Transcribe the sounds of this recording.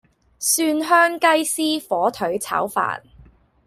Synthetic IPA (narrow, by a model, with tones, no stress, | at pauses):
syː˧nɦœː˥ŋkɐ˥jsiː˥fɔː˨˥t̪ʰɵ˨˥ɥt͡sʰɐ̰ː˨˥wfa̰ː˨n